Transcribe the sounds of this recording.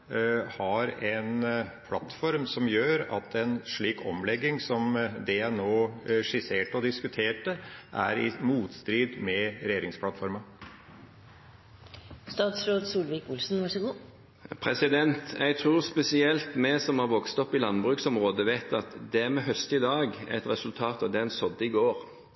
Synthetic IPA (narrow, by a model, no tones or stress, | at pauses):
hɑɾɛnpʰlɑ̰t̪fɔɾmsɔmjøːɾɑ̰t̪ʰɛnʂɭiːkʰɔ̰mlɛɡːɪŋsɔmd̪ɛænoːʂɪseːʈɔd̪ɪskʉt̪ʰeːʈəʔæ̰ɾɪ̰muːt̪st̪ɾiːd̪mɛɾɛjeːɾɪŋspʰlɑt̪fɔɾmɑ | st̪ɑːt̪sɾoːd̪suːlʋɪkʊlsn̩ʋɑʂɔɡuː | pʰɾɛsɪd̪ɛnt̪ʔɛ̰ɪɡt̪ʰʁuːʁspɛsɪɛlt̪mɛsɔmhɑɾʋɔkst̪ɔpːɪlɑnbʁʉːksɔmʁoːd̪əʋeɪt̪ɑt̪d̪ɛæmɛɦœst̪ɪd̪ɑːɡɛ̰t̪ɾɛsʉlt̪ʰɑːt̪ɑʋd̪ɛnsɔd̪ːəɪɡoːɾ